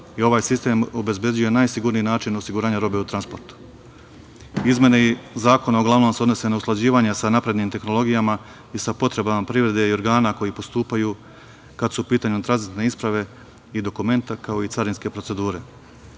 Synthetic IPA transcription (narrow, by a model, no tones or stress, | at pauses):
io̞ʋaːjsist̪e̞ːmo̞be̞zbje̞d͡ʑuje̞najsiɡuɾniinaːt͡ʃino̞siɡuɾaːɲaɾo̞ːbe̞ut̪ɾanspo̞ɾt̪u̥ | izmjeneizaːko̞naoɡlˠaʋno̞mseod̪no̞se̞nausklˠad͡ʑiːʋaɲasanapɾe̞d̪nimt̪e̞xno̞lˠo̞ɡijama | isapo̞t̪ɾe̞bamapɾiːʋɾe̞d̪e̞io̞ɾɡaːnako̞jipo̞st̪uːpajuː | kad̪supiːt̪aːɲut̪ɾanzit̪ne̞ispɾaʋe̞ | id̪o̞kume̞nt̪akao̞it̪saɾinske̞pɾo̞tse̞d̪uːɾe̞